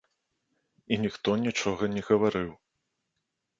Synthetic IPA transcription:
inʲixt̪ɔnʲit͡ʂɔɣɐnʲɛɣɐvaɾɨw

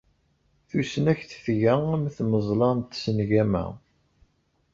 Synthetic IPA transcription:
θusənæçθfʝææmθməzˤlɑnt̪sənʝæmæ̰

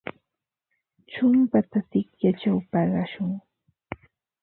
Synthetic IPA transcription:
t͡ʃʊmpat̪at̪ɪkjat͡ʃawpɑɢɑʃʊŋ

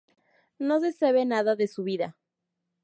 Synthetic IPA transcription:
nos̬eseβenaðaðesuβiða

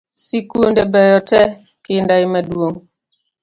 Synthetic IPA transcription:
sikundɛbɛjɔtɛ | kendaimaduoŋ

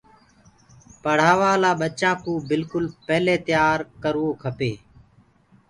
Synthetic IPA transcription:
pəɽ̤aːʋaːlaːɓət͡ʃãːkũːbɪlkʊlpɛːleːt̪ɪjaːɾkəɾoːkʰəpeː

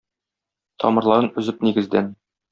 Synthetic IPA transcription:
t̪ʰɒ̰mɤ̆ɾlˠɑɾɤnɵ̆zɘp̚niɡɘ̆zd̪æn

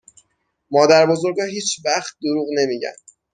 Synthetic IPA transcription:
mɒːd̪æɾbo̞zo̞ɾɡɒːɦiːt͡ʃʰvæχt̪̚d̪oɾuːɣne̞miːɟæ̰nd̪̥

